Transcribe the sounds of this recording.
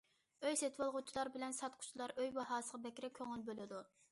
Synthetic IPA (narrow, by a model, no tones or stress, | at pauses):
øjset̪ʰwɑlˠʁʊt͡ʃʰilˠɑɾbɪlɛnsɑt̪qʰʊ̥t͡ʃʰilˠɑɾʔøjbɑɦɑːsəʁɑbɛkʲɾɪkʲʰøŋɪlbølɪd̪u